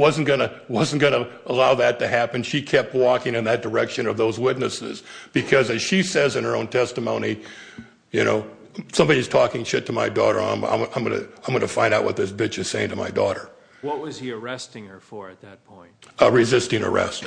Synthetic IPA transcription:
wʌzn̩ɡ̥ʌnɨwʌzn̩ɡ̥ʌnəəlaʊðɨtʰɨɦæpɨ̃nʃikʰɛp̚t̚wɔkɪ̃ŋɨ̃nðɨt̚d̥ə˞ɛkʃɨ̃nʌvðoʊzwɪtⁿnɨsɪ̰zb̥ɨkʰʌzɨz̥ʃisɛzɨ̃nə˞õ̰ʊ̃ntʰɛstɨmõʊ̃ni | jɨno̰ʊ | sʌ̃mbɑɾiz̥tʰɔkɪ̃ŋʃɪtʰəma̰ɪdɔ̰ɾə̰˞ã̰ɪ̃mã̰ɪ̃mã̰ɪ̃mɡʌnɨ̰ãɪ̃mɡʌnɨfãɪ̃ndaʊʔwʌt̪̚ðɪsbɪt͡ʃɨz̥seɪɪ̃ŋtʰɨma̰ɪdɔ̰ɾə˞ | wʌt̚wʌz̥iə˞ɛstɪ̃ŋə˞fə˞ɨt̪̚ðɨt̚pʰɔ̃ɪ̃ntɹɨzɪstɪ̃ŋə̰˞ɛ̰st

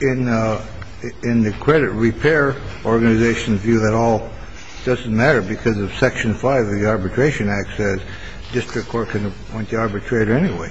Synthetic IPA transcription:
ɪ̃n | ɪ̃nðɨkʰɹ̥ɛɾɨt̚ɹipʰɛɹʔɔɹɡɨnɨzeɪʃn̩zvjʉðɨɾɔlˠ | d̥ʌz̃n̩mæɾə˞bɨkʰʌzʌv̥sɛkʃɨ̃nfaɪvʌðiɑɹbɨtʰɹ̥eɪʃɨ̃næksɨs | d̥ɪstɹ̥ɨkʰːɔɹt̚kʰɨ̃nɨ | wɛ̃niɑɹbɨtʰɹ̥eɪɾə˞ɛniweɪ

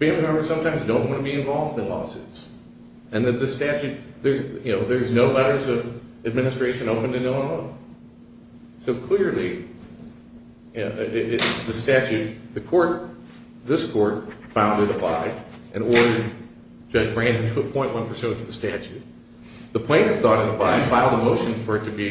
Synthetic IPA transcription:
fɛ̃mhɛmbə˞sʌ̃mtʰãɪ̃mzdõʊ̃nʔwɑ̃ñɨbiɨ̃ɱvɑlˠvdɨ̃nlɔ̰sɨ̰ts | ɨ̃nðɨt̪̚ðɨstæt͡ʃʉt̪̚ðə˞zjɨnoʊðə˞znoʊlɛɾə˞zʌvɨd̚mɪ̃nɨstɹ̥eɪʃɨ̃noʊpɨ̃n̩tɨnoʊɪ̃nõ | soʊkʰl̥ɪɹlˠi | jɪðɨstæt͡ʃʉt̪̚ðɨkʰɔɹt̪̚ | ðɪskʰɔɹt̚fãʊ̃ndɨɾɨpʰl̥a̰ɪdʔɨ̃nɔɹɾə˞d̥̚ | d͡ʒ̥ʌd͡ʒbɹæ̃ndɨ̃ntʰɨəpʰɔ̃ɪ̃nʔwʌ̃npʰə˞sʉ̃ntʰʌðɨstæt͡ʃʉt̪̚ | ðəpʰl̥æ̃ɪ̃nɨz̥θɔɾɨ̃nəpʰl̥aɪfaɪlˠdəmoʊʃɨ̃n̩fə˞ɾɨbi

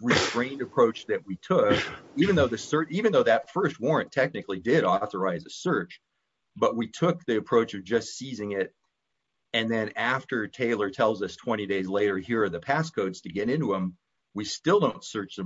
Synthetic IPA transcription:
ɹɨstɹẽɪ̃ndɨpʰɹ̥oʊt͡ʃðɨʔ̚witʰʊkivɨ̃n̩ðoʊðɨsɜ˞ivɨ̃nðoʊðɨtfɜ˞st̚wɔɹɨ̃ntʰɛk̚nɨklidɪɾɔθə˞aɪzɨsɜ˞t͡ʃ | b̥ʌʔ̚witʰʊk̚ðiɨpʰɹ̥oʊt͡ʃʌvd͡ʒʌstsizɪ̃ŋɪɾ | ɨ̃nðɨ̃næftə˞tʰeɪlˠə˞tʰɛlˠzʌstʰw̥ɛ̃ɾ̃ideɪzleɪɾə˞hiɹʌðɨpʰæskʰoʊdz̥tʰɨɡɛɾɪ̃ntuə̃m | wistɪlˠdõʊ̃ntsɜ˞t͡ʃsɨ̃

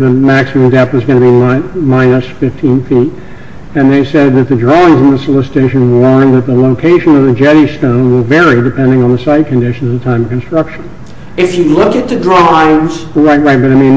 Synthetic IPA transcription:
ðɨmæksəmɨ̃mdɛpwʌzɡʌ̃nɨbimmãɪ̃nɨsfɪftʰĩnfit | ɨ̃nðeɪsɛd̪̚ðɨt̪̚ðɨdɹɔɪ̃ŋzɨ̃n̩ðɨsəlɪsɨtʰeɪʃɨ̃nwɔɹnðɨt̪̚ðəloʊkʰeɪʃɨ̃nʌvðɨd͡ʒɛɾistõʊ̃nwɪlˠvɛɹidɨpʰɛ̃ndɪ̃ŋə̃nðəsaɪt̚kʰɨ̃n̩dɪʃn̩zʌv̥tʰãɪ̃mʌv̥kɨ̃nstɹ̥ʌkʃɨ̃n | ɨfjɨlʊkɨt̪̚ðɨdɹaɪvz̥ɹaɪt̚ɹaɪt̚b̥ʌɾaɪmĩn

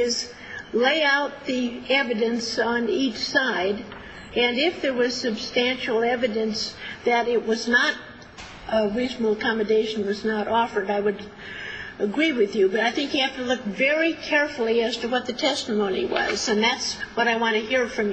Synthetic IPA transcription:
ɪz | leɪaʊt̪̚ðiɛvɨɾɨ̃nsn̩it͡ʃsaɪd | ɨ̃nɪfðə˞wʌz̥sɨbstæ̃nʃl̩ˠɛvɨɾɨ̃nsðɨɾɪt̚wʌznəɾ | ʔəɹizn̩l̩ˠəkʰɑmɨdeɪʃn̩wʌznəɾʔɔfə˞daɪwɨɾ | ɨɡɹiwɨðjɨbʌɾaɪθɪ̃ŋkjɨhæftəlʊkvɛɹikʰɛɹfl̩ˠiæz̥tɨwʌt̪̚ðɨtʰɛstəmõʊ̃nḭwʌ̰zɨ̃nðætswʌɾaɪwɑ̃ntɨhiɹfɹʌ̃mj

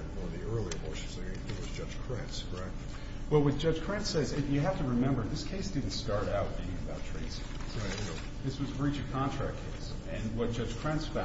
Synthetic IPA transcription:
wɔvðiɜ˞lˠiəboʃnzɨɡɨðɨwʌzd͡ʒʌd͡ʒʒ̥kʰɹ̥ɛ̃ntsɹaɪt̚ | wɛlˠwʌt̚d̥ʒ̥ʌd̥ʒ̥kʰɹ̥æ̃nsɛzɪfjɨɦæftɨɹɨmɛ̃mbə˞ðɪskʰeɪsd̥ɪdⁿn̩tstɑɹɾaʊt̚d̥ɨɨ̃ɨbaʊtʰɹ̥ḛɪsɪ̰̃ | ɪ | ðɪswʌzbɹit͡ʃɨkʰɑ̃ntʰɹ̥æ̰k̚kʰeɪsɨ̃nwʌt̚d̥ʒ̥ʌd̥ʒ̥kʰɹ̥æ̃nsfã

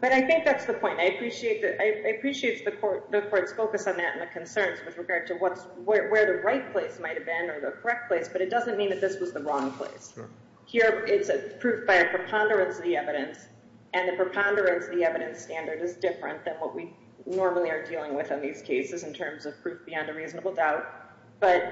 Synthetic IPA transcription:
b̥ʌɾaɪθɪ̃ŋk̚ðætsðəpʰɔ̃ɪ̃ntaɪɨpʰɹ̥iʃieɪt̪̚ðɨaɪɨaɪɨpʰɹ̥iʃieɪt̪̚ðɨkʰɔɹt̚ðɨkʰɔɹtsfoʊkɨsn̩ðɨɾɨ̰n̩ɨkʰɨ̃n̩sɜ̃˞nzwɨðɹɨɡɑɹd̚tʰɨwʌtswə˞wə˞ðɨɹaɪt̚pʰl̥eɪsmaɪt̚hɨvbɪ̃nə˞ðəkʰə˞ɛk̚t̚pʰl̥eɪsb̥ʌɾɨt̚d̥ʌzɨ̃nmĩnðɨt̪̚ðɪswʌzðəɹɔ̃ŋpʰl̥ḛɪs | hiɹɪtsɨpʰɹ̥ʉfb̥aɪɨpʰɹ̥ɨpʰɑ̃ndə˞ɨ̃nsʌvðiɛvɨɾɨ̃ns | ʔɨ̃nðɨpʰɹ̥ɨpʰɑ̃ndə˞ɨ̃nsʌvðiɛvɨɾɨ̃nstæ̃ndə˞ɾɨzdɪfɹɨ̰̃nðɨ̃nwʌʔwi | nɔɹml̩ˠiə˞dilˠɪ̃ŋwɪðɨ̃nðiz̥kʰeɪsɨzɨ̃n̩tʰɜ̃˞mzʌv̥pʰɹ̥ʉfb̥iɑ̃ndɨɹizn̩əbl̩ˠdaʊt̚ | b̥ʌt̚

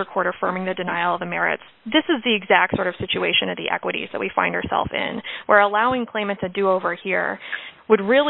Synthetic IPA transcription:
ə˞kʰw̥ɔɹɾə˞fɜ˞mɪ̃ŋðɨdɨnaɪl̩ˠʌvðɨmɛɹɪ̰ts | ðɪsɨzðiɨɡzæk̚tsɔɹɾʌv̥sɪt͡ʃʉeɪʃɨ̃nʌvðḭʔɛ̰kwɨɾḭzðə̰ʔwifã̰ɪ̃ndə̰˞sɛ̰lˠfɪ̰̃nwʔə˞əlaʊɪ̃ŋkʰl̥ẽɪ̃mɨ̃ntʰɨdɨoʊvə˞hiɹwəd̚ɹɪlˠ

